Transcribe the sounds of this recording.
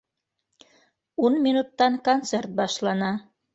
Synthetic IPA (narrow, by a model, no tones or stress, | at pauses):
unminut̪ːɑnkonsert̪̚bɑʃlɑnɑ